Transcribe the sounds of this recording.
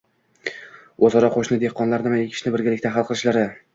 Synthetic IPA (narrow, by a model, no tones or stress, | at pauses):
ozɒɾɒqʰoʃnɪd̪ehqʰːɒnlaɾnɪmaekʲʰɪ̥ʃnɪbɪɾɡʲalɪkʲt̪aɦalˠqʰɨlˠɪʃlaɾɪ